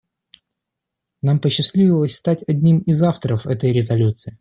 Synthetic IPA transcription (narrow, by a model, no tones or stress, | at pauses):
nampəɕːɪslʲivʲɪlˠəsʲst̪atʲɐdʲnʲimɪzaft̪əɾəfɛt̪əjɾʲɪzɐlʲut̪sɨɪ